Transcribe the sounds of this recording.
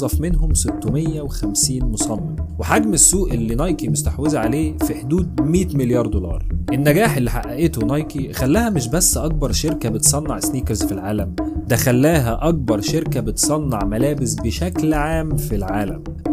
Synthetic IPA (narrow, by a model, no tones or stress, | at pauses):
zˤɑfmenɦomset̪ːomejːæwexæmsiːnmosˤɑmːɑweħaɡmesːuːʔelːinɑjkimʊst̪aħwezaʕaleːfiħd̪uːd̪̚miːt̪meljɑːɾˤd̪olɑ̰ːɾˤʔenːæɡæːħelːiħaʔːæʔet̪onɑjkixælːæːhæmeʃ̬bæsːʔɑk̚bɑɾˤʃeɾkæbet̪sˤɑnːɑʕsniːkeɾzfilʕaːlæmd̪æxælːæːɦæʔɑk̚bɑɾˤʃeɾkæbet̪sˤɑnːɑʕmælæːbesbeʃæklʕaːmfilʕaːlæ̰m